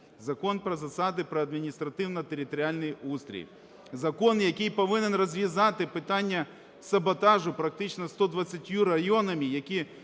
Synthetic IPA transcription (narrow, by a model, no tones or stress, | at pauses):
zɐkɔnpɾɔzɐsɑd̪ɪpɾɔɐd̪mʲinʲist̪ɾɐt̪ɪwnɐt̪eɾʲɪt̪ɔɾʲɪalʲnɪjust̪ʲɾʲḭj | zɐkɔnjɐkʲɪjpɐʋɪnenrɐzʲʋʲizɑt̪ɪpɪt̪ɑnʲːɐ | sɐbɐt̪ɑʒʊpɾɐk̚t̪ɪt͡ʃnɐst̪ɔd̪ʋɐt͡sʲːɐtʲjuɾɐjɔnɐmʲijɐkʲi